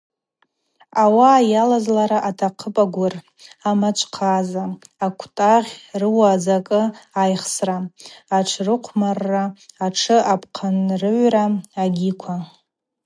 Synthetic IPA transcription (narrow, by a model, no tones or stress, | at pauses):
awaːjalazlaɾaʔatʰaqʰəpʼaɡʷʊr | amat͡ʃʷʰʼqʰazaakʷʰtʼaʁʲrɨwad͡zakʼɨajχsraaʈ͡ʂʰrɨqʷʰmarːaːʈ͡ʂʰɨʔapʰqʰanrɨʕʷraaɡʲikʷʰa